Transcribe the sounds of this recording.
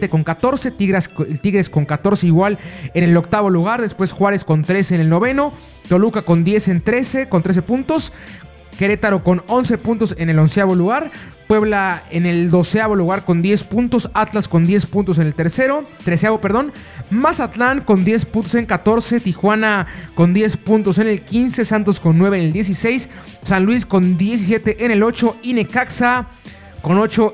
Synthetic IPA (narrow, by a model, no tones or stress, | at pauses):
t̪eko̞ŋkat̪o̞ɾse̞t̪iɣɾe̞sko̞ŋkat̪o̞ɾse̞iɣwale̞ne̞lo̞k̚t̪aβo̞luɣaɾðe̞spwe̞sxwaɾe̞sko̞nt̪ɾe̞seːne̞lno̞βe̞no̞ | t̪o̞lukako̞nd̪je̞se̞nt̪ɾe̞seko̞nt̪ɾe̞se̞punt̪o̞s | ke̞ɾe̞t̪aɾoko̞no̞nse̞punt̪o̞se̞ne̞lo̞nsjaβo̞luɣaɾ | pwe̞βlaene̞ld̪o̞seaβo̞luɣaɾko̞nd̪je̞spunt̪o̞sat̪lasko̞nd̪je̞spunt̪os̬e̞nelt̪e̞ɾse̞ɾo̞t̪ɾesjaβopeɾð̞o̞n | masat̪laŋko̞nd̪je̞spunt̪os̬e̞ŋkat̪o̞ɾse̞t̪ixwanako̞nd̪je̞spunt̪o̞se̞ne̞lkinse̞sant̪o̞sko̞nːwe̞βeneld̪je̞s̬ise̞js | sanlwisko̞nd̪je̞s̬is̬je̞t̪eʔene̞lo̞t͡ʃo̞ine̞kaksa | ko̞no̞t͡ʃo̞